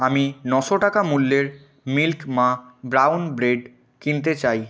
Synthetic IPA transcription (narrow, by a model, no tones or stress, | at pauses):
aminɔʃoʈakamulːeɾ | milkmãbɾawnbɾeɖ | kint̪et͡ɕaj